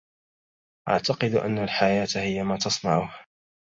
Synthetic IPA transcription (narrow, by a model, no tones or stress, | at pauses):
ʔa̰ʕt̪ɑqɨd̪ʔa̰nːalħajaːt̪hɪjːamaːt̪ɑsˤnɑʕʊha